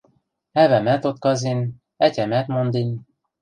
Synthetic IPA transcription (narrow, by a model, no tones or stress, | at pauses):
ɛvɛmɛt̪ot̪kɒzin | ɛcʲɛmɛt̪mond̪in